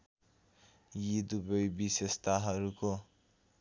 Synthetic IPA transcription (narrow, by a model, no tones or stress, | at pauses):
jid̪ubʌjbisest̪aɦʌɾuko